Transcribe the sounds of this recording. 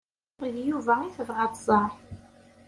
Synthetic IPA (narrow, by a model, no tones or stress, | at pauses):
ðjuvæiθəvʁɑt̪ˤzˤɑħ